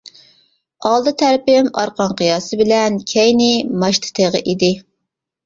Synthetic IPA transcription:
ɑlˠd̪ɨt̪ʰæɾpɪmɑ̰ɾqɑnqɨjɑːsɨbɪlɛnkʲʰɛjnɪmɑʃt̪ʰɨ̥t̪ʰeʁə̰ʔid̪ɪ

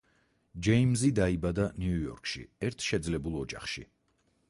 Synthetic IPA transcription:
d͡ʒɛimzid̪aibad̪aniujɔ̰ɾkʰʃḭɛɾt̪ʰʃɛd̪zlɛbulˠɔd͡ʒaχʃḭ

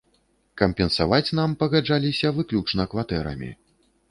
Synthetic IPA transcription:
kɐmpʲɛnsavat͡sʲnampɐɣad͡ʐalʲisʲɐvɨklʲut͡ʂnɐkvat̪ɛɾɐ̰mʲḭ

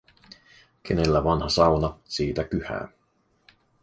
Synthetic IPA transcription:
k̟ʰene̞lːæʋɑnhɑsɑwnɑsiːt̪ækyhæ̰ː

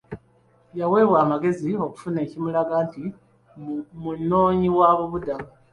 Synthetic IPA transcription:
jawe̞ːβwaːmaɡe̞zio̞ku̥fune̞ːcimulaɡanti | munːo̞ːɲiwaβuβuda

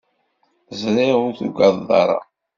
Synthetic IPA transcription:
zɾˤɪʁʊɾθuɡɑðˤɑ̰ɾˤɑ̰

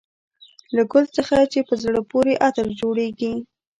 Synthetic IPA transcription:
laɡʊlt͡səxat͡ʃepəzɽəpoɾeʔat̪əɾd͡ʒoɽeɡi

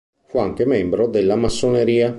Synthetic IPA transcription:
fuaŋk̟emɛmbɾod̪elːamasːoneɾiːa

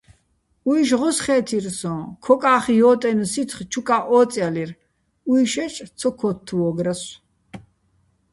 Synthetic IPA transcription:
uiʃ̬ʁɔsχɛːt̪ʰirsɔ̃kʰɔkʼaːχijɔːt̪ʼɛnsit̪ʰχt͡ʃʰukʼaʔɔːt͡sʼjalir | uiʃɛt͡ʃʼt͡sʰɔkʰɔt̪ʰːuɔɡɾas

